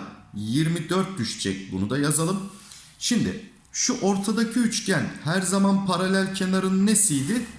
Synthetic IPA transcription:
jiɾmid̪øɾt̪̚d̪yʃt͡ʃʰɛ̰c̚bunud̪ajazalˠɯm | ʃimd̪ɪ̰ | ʃuʔo̞ɾt̪ʰad̪acʰiyt͡ʃcænhæɾzamanpʰaɾalʲælʲcʰe̞naɾɯnːesijd̪ɪ

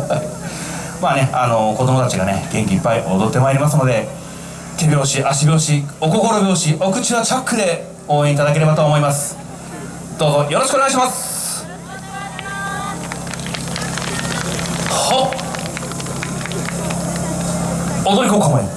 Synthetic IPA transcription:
maːne̞ano̞ko̞d̪o̞mo̞t̪at͡ɕiɡane̞̰ɡ̥ẽ̞ŋkʲiipːaiʔo̞d̪o̞t̪ːe̞maeɾʲimasɨno̞d̪e̞ | t̪e̞bʲo̞ːɕiʔaɕ̬ibʲo̞ːɕio̞ko̞ko̞ɾo̞bʲo̞ːɕiʔo̞kɯ̟t͡ɕiβat͡ɕakːɯ̟d̪e̞ | o̞ːẽit̪ad̪ak̬e̞ɾe̞bat̪o̞ːmo̞imasɨ̥ | d̪̥o̞ːzo̞jo̞ɾoɕikɯoneɡaiɕ̬imasɨ̥ | ho | od̪o̞ɾʲiko̞ːkamoi

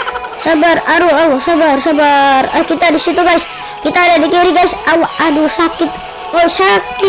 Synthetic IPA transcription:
sabəraɾuəwsabərsabərəhkit̪adisit̪uɡais | kit̪aːdadikiɾiɡaisʔawaʔadusakɪt̪̚ | osakɪ

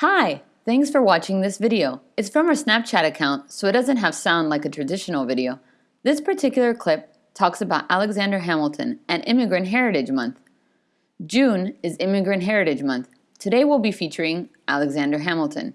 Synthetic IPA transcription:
haɪ | θæ̃ŋksfə˞wɑt͡ʃɪ̃ŋðɪsvɪɾioʊ | ɨtsfɹʌ̃məsnæp̚t͡ʃʰæɾɨkʰãʊ̃ntsoʊɨt̚d̥ʌzɨ̃nt̚ɦəv̥sãʊ̃ndˡlaɪkɨtʰɹ̥ɨdɪʃn̩l̩ˠvɪɾioʊ | ðɪspʰə˞tʰɪkjl̩ˠə˞kʰl̥ɪp̚ | tʰɔksɨbaʊɾʔæ̰lˠəɡzæ̃ndə˞ɦæ̃ml̩ˠtʰɨ̰̃nɨ̃nʔɪ̃mɨɡɹɨ̃nʔɦɛɹɨɾɨd͡ʒmʌ̰̃nθ | d̥ʒ̥ʉ̃nɨzɪ̃mɨɡɹɨ̃nʔɦɛɹɨɾɨd͡ʒmʌ̃nθ | tʰɨɾeɪwɪlˠbifit͡ʃə˞ɪ̃ŋʔælˠɨɡzæ̃ndə˞ɦæ̃ml̩ˠtʰɨ̰̃n

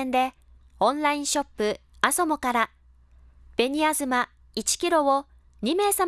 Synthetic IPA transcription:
nd̪e̞ | õ̞nɾaĩɰ̃ɕo̞pːɯ̟aso̞mo̞kaɾa | b̥e̞ɲ̟iazɨma | it͡ɕi̥kʲiɾo̞o | ɲ̟ime̞ːsam

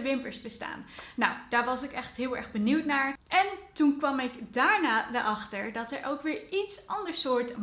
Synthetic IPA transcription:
ʋɪmpəɹsbəsta̰ːnːawd̥aːɹʋɑsɪkɛχtɦɪːlˠɛ̰ɹχbəniwtnaːɹʔɛntunkʋɑmɪkdaːɹnaːdəʔɑχtəɹdɑtɛɹʔowkʋɪːɹitsʔɑndəɹsʊːɹt

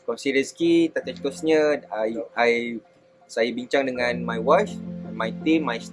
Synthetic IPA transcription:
kalsiɾiəskit̪aʔt͡ʃət̪usɲə̃ajaj | sajabiɲt͡ʃaŋdəŋãnmajwaʃɛnmajt̪imːajs

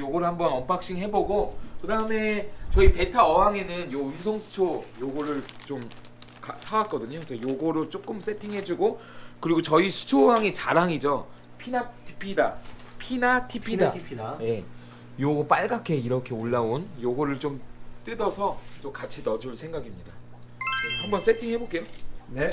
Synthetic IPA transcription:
joɡoɾɯɭhambʌnʌmp͈ak̚ɕ͈iŋɦe̞boɡokɯdaɯme̞t͡ɕʌipe̞tʰaʌɦaŋe̞nɯnjounsʰʌŋsʰu̥t͡ɕʰojoɡoɾɯɭt͡ɕom | kasʰawak͈ʌdɯɲosʰʌjoɡoɾot͡ɕ͈ok͈ɯms͈ʰe̞tʰiŋɦe̞d͡ʑuɡokɯɾiɡot͡ɕʌisʰu̥t͡ɕʰoɦaŋe̞t͡ɕaɾaŋid͡ʑo | pʰinatʰi̥pʰidapʰinatʰipʰidapʰje̞ | joɡop͈aɭɡakʰe̞iɾʌkʰe̞oɭːaonjoɡʌɾɯɭt͡ɕomt͈ɯdʌsʰʌt͡ɕomkat͡ɕʰinʌd͡ʑuɭsʰe̞ŋɡaɡimɲida | hambʌns͈ʰe̞tʰiŋɦe̞bok͈e̞jon

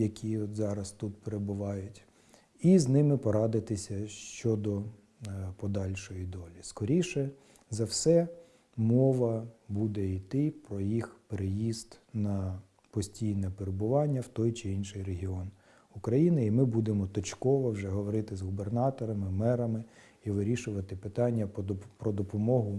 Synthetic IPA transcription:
jɐkʲʰiɔt̪zɑɾɐst̪ut̪̚peɾebʊʋɑjʊtʲ | iznɪmɪpɔɾɑd̪ɪt̪ɪsʲɐʃt͡ʃɔd̪ɔ | pɔd̪ɑlʲʃɔjid̪ɔlʲiskɔɾʲiʃɛ | zɐwsɛ | mɔʋɐbud̪ɛit̪ɪpɾɔjixpeɾejizt̪nɐ | pɔsʲtʲijnɛpeɾebʊʋɑnʲːɐwt̪ɔjt͡ʃɪinʃɪjreɦʲiɔn | ʊkɾɐjinɪimɪbud̪emɔt̪ɔt͡ʃkɔʋɔwʒɛɦɔʋɔɾɪt̪ɪzɦubernɑt̪ɔɾɐmɪmɛɾɐmɪ | iʋɪɾʲiʃʊʋɐt̪ɪpɪt̪ɑnʲːɐpɾɔd̪ɔpɔmɔɦʊ

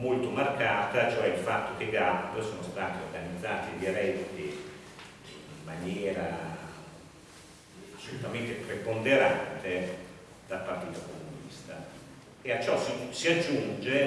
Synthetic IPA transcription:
molt̪omarkaːt̪at͡ʃoɛilfat̪ːok̟eɡap̪osoːnost̪aːt̪eorɡanid̪zːaːt̪id̪iɾɛdk̟e | iːmːanjɛːɾa | asːolut̪ament̪epɾepond̪eɾant̪e | d̪̥alpart̪iːt̪okomunḭst̪a | eat͡ʃːɔsisiad͡ʒːund͡ʒe

